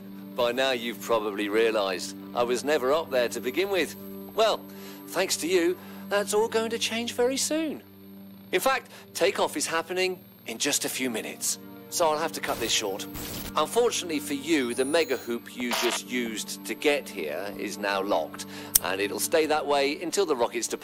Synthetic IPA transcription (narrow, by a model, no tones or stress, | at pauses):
b̥aɪnaʊjɨv̥pʰɹ̥ɑbəbliɹiɨlaɪzd | ʔa̰ɪwʌznɛvə˞ʌp̚ðə˞ɾɨbɨɡɪ̃nwɪð̥wɛlˠ | θæ̃ŋkstʰɨjɨðətsɔlˠɡoʊɪ̃ŋtʰɨt͡ʃʰẽɪ̃nd͡ʒvɛɹisʉ̃n | ɨ̃nfæk̚tʰeɪkɔfɨz̥hæpɨnɪ̃ŋ | ɨ̃nd͡ʒʌstɨfjʉmɪ̃nɨ̰tsː | oʊaɪlˠɦæftɨkʰʌt̪̚ðɪsʃɔɹtʔə̃ɱfɔɹt͡ʃɨnətˡlifə˞jɨðɨmɛɡɨhʉpʰjɨd͡ʒʌst̚jʉztʰɨɡɛt̚hḭɹɪ̰znaʊlɑ̰k̚t | ʔə̰̃nɪɾl̩ˠsteɪðəʔ̚weɪɨ̃ntʰɪlˠðəɹɑkɨtstʰɨp